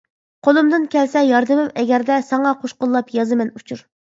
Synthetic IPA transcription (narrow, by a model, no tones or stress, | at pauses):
qʰolˠumd̪ɨnkʲɛlsɛjɑɾd̪ɨmɪmɛɡʲɛɾd̪ɛsɑŋɑqʰoʃqʊlˠːɑpjɑzɨmɛnut͡ʃʰuɾ